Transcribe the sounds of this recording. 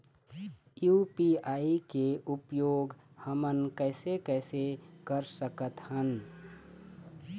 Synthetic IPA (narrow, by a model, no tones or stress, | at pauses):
juːpiaːikeʊpjoːɡ | həmənkɛːɪsekɛːsekəɾsəkət̪hən